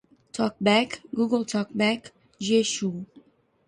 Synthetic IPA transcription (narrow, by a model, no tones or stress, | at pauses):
tʰɔk̚bækɡuɡəlˠtʰɔk̚bæk | ʒeʃu